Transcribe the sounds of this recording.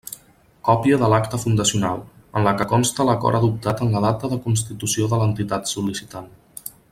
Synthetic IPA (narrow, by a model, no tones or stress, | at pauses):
kɔpiəðəlakt̪əfund̪əsiuna̰lˠənləkəkɔnst̪ələkɔ̰ɾʔəðup̚t̪at̪ənləð̞at̪əðəkunst̪it̪usioðələnt̪it̪at̪sulisit̪an